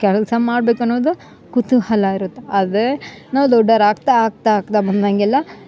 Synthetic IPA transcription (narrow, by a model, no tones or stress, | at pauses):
kɛɭɐlsɐmmaːɖbeːkɐnːoːd̪u | kut̪uhɐlaiɾut̪ːeɐd̪enaːʋd̪ɔɖːɐɾaːɡ̚t̪aːɡ̚t̪aːɡ̚t̪abɐnd̪aŋɡɛlːɐ